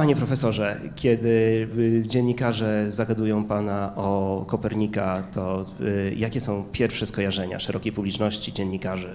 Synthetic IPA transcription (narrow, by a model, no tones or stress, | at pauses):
aɲɛpɾɔfɛsɔʐɛkʲjɛd̪ɘ | d͡ʑeɲːikaʐɛzaɡad̪ujɔ̃w̃panaʔɔkɔpɛɾɲikat̪ɔ | jakʲɛsɔ̃w̃pʲjɛɾfʂɛskɔjaʐɛɲa̰ʂɛɾʔɔkʲejpublʲit͡ʂnɔɕt͡ɕid͡ʑɛnːikaʐɛ